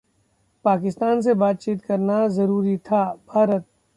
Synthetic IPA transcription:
paːkɪst̪aːns̬ebaːt̪̚t͡ʃiːt̪kɐɾnazɐɾuːɾit̪ʰabʱaːɾət̪̚

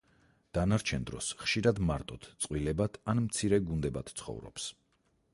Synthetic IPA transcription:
d̪̥anaɾt͡ʃʰɛnd̪ɾɔ̰sχʃiɾad̪maɾt̪ʼɔt̪ʰt̪sʼqʼwilɛbat̪ʰanmt̪sʰiɾɛɡund̪ɛbat̪ʰt̪sʰχɔ̰vɾɔ̰ps

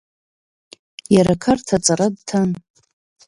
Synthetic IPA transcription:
jaɾakʰartʰat͡sʼaɾadtʰan

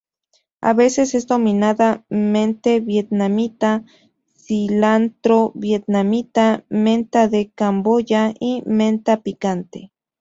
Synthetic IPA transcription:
a̰βesesezd̪ominaðament̪eβjet̪̚namit̪a | silant̪ɾoβjet̪̚namit̪ament̪aðekambojaiment̪apikant̪e

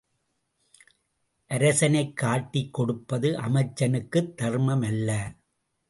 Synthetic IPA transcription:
ʔɐɾɐsɐnɐɪkːaːʈːikːɔɽɯpːɐðɯʔɐmɐɪt͡ʃːɐnɯkːɯt̪ːɐrmɐmɐlːɐ

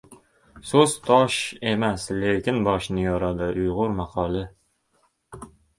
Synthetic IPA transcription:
sozt̪ʰɒʃemæslekʲɪnbɒʃnɪjɒɾɑd̪ɪʔʊjʁʊɾmɑqʰɑlˠɪ

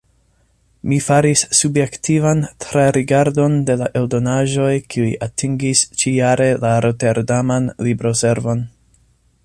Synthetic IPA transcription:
mifaɾisːubje̞ktivantɾaɾiɡaɾdo̞nde̞laʔe̞ldo̞naʒo̞jkiujʔatʰiŋɡist͡ʃiaɾe̞laɾote̞ɾdamanlibɾo̞se̞ɾvo̞n

